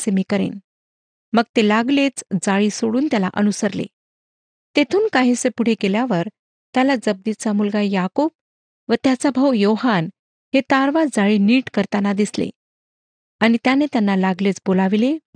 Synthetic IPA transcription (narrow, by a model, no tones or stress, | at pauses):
semiːkəɾḛn | məɡt̪elaɡlet͡sd͡zaɭiːsoɽuːnt̪jalaʔənusəɾlḛ | t̪et̪ʰuːnkaɦisepuɽ̤ekeljaʋəɾ | t̪jalad͡zəb̚d̪it͡samulɡajakob̚ | ʋət̪jat͡sabʱəwjoɦan | het̪aɾʋad͡zaɭiːniːʈkəɾt̪anːad̪islḛ | añit̪janet̪janːalaɡlet͡sbolaʋile